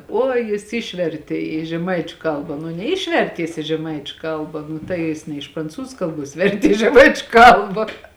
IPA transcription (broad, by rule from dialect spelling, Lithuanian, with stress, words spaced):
ˈuɔj jɪs ˈɪʃʲʋʲɛrʲtʲeː iː ʒʲɛˈmɐɪt͡ʃʲʊ ˈkɐlˠbɐ nʊ nʲɛˈɪʃʲʋʲɛrʲtʲeː jɪs ɪ ʒʲɛˈmɐɪt͡ʃʲʊ ˈkɐlˠbɐ nʊ tɐɪ ˈjɪs nʲɛ ɪʃ prɐnˈt͡suːzʊ ˈkɐlˠˌbuɔs ˈʋʲɛrʲtʲeː ɪ ʒʲɛˈmɐɪt͡ʃʲʊ ˈkɐlˠbɐ